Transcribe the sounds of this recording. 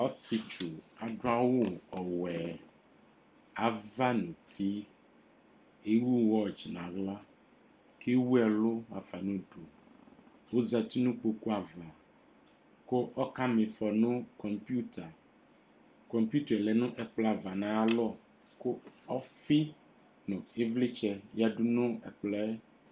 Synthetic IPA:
ɔ˦si˨t͡ʃu˨a˨ɖo˦a˦wo˦ɔ˨wɛ˨ | a˨va˦nũ˨t̪ʰi˦ | e˦wu˦wɔ˦˨d͡ʒi˨nã˨ɡla˦ | ke˦wu˦ɛ˨lo˦wa˨fa˨nũ˦ɖo˨ | wo˦za˨t̪i˦nũ˦k͡po˦ku˦a˨vla˨ | ko˦ʔɔ˦ka˦me˨fɔ˨nõ˦kɔ˨mpi˦u˦t̪ʰa˨ | kɔ˨mpu˦t̪a˨lɛ˨nũ˦ʔɛ˨k͡plɔ˦a˨va˨nã˨˦a˦lɔ˦˨ | ko˦ɔ˦fi˦ | nɔ̃˨e˦vle˦t͡ʃɛ˦ja˦ɖu˦nõ˦ɛ˨k͡plɛ˦

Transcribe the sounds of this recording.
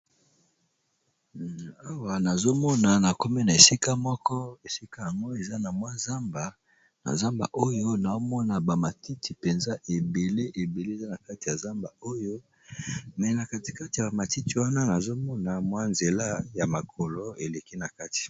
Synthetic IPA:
a˦wa˨na˨zo˦mɔ˦na˨na˨ko˦me˦na˨e˨si˦ka˦mɔ˦kɔ˦e˨si˦ka˦ja˨ŋɡo˦e˨za˦na˨mwa˦za˦mba˨ | na̰˨za˦mba̰˨ʔo˦jo˦na˨o˦mɔ˦na˨ba˨ma˨ti˦tʰi˨pe˨nza˦ʔe˨be˨le˦ʔe˨be˨le˦˨za˦na˨ka˦ti˨ja˨za˦mba˨o˦jo˦ | mɛ˨na˨ka˨ti̥˨ka˦ti˨ja˨ba˨ma˨ti˦ti˨wa˦na˦na˨zo˦mɔ˦na˨mwa˦nze˨la˦ja˨ma˨kʰɔ˨lo˦e˨le˨ki˦na˨ka˦ti̥˨

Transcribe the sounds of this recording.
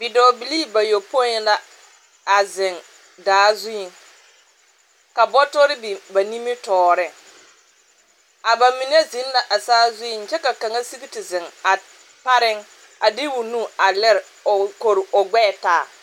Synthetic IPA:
bɪ˨dɔː˨bi˨liː˦˨ba˨jo˨po˦la˦ | a˨zɪ˨ŋ | daː˨˦zu˦i˨ŋ | ka˨bɔ˦tɔ˦ɾɪ˦bi˨ba˨ni˦mi˦tɔː˨ɾɪ˦ | a˨ba˨mi˨n˦e˦zɪ˦n˦la˨ʔa˨saː˦zu˦i˨nt͡ʃɛ˦ka˨ka˨ŋa˦si˦bi˦ti˨zɪ˨ŋa˨ | pa˦ɾɪ˦ŋ | a˨dɪ˦wu˨nũ˦a˨lɛ˦ɾ | o˨ko˨ɾo˨ɡ͡bɛ˦˨taː˨

